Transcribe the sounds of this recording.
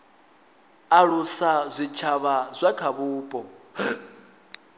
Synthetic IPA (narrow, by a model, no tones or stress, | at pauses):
aɺusazʷit͡ʃʰaβazʷakʰaβuːpʼɔ